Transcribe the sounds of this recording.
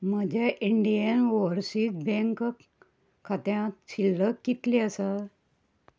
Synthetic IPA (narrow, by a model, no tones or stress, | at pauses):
məd͡ʑaʔiɳɖijənʋɔɾsik̚bɛ̃ŋk | kʰat̪jãt͡ɕilːəkːit̪liəsa